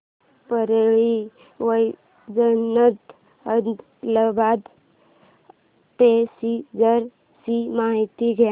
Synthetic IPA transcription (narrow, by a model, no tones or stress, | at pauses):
pəɾeɭi | ʋəj | d͡ʒənːət̪ | əd̪ | ləbad̪ | p̪esid͡zəɾ | simaɦit̪iɡʱe